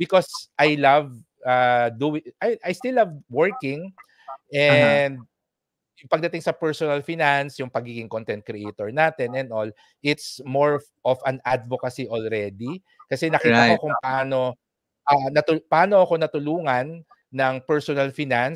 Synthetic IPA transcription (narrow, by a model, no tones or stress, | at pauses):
bɪkosʔajlɐv | ad̪uwɪʔajʔajst̪ilːɐvwɛɹkɪŋ | ʔɛnd̪̚ | jʊŋpɐɡ̚d̪ɐt̪ɪŋsɐpɛɹsonɐlfinansjʊŋpɐɡiːɡɪŋkont̪ɛnt̪̚kɾɛʔejt̪oɹnaːt̪ɛnɛnd̪ʔol | ʔɪt̪smoɹ | ʔovɐnad̪̚vokɐsiʔolɾɛd̪i | kɐsɛnɐkiːt̪ɐokʊŋpɐʔaːno̞ | ʔanɐt̪ʊpɐʔaːno̞ɐko̞nɐt̪ʊluːŋɐnː | ɐŋpɛɹsonɐlfinans